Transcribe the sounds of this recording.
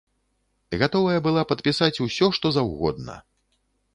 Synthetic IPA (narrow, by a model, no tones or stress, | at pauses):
ɣat̪ɔvɐjɐbɨlˠapɐt̪pʲisat͡sʲusʲɔʂt̪ɔzawɣɔ̰d̪̚nɐ̰